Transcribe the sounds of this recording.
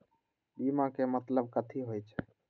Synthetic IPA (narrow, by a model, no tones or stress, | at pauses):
bimakemət̪ləb̚kət̪ʰiɦojt͡ʃʰ